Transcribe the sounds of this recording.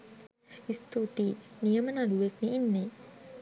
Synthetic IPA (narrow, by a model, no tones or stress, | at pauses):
ist̪ot̪iniəmənaluek̚niʔinːe